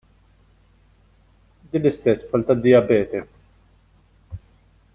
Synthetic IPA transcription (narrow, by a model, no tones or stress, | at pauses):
d̪iːnlɪst̪ɛsːpɐlt̪ɐd̪ːɪjɐbɛːt̪ɛ